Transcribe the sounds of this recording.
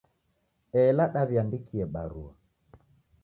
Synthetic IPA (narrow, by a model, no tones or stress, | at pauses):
ɛlaɗaβiandikʰiɛɓaɾua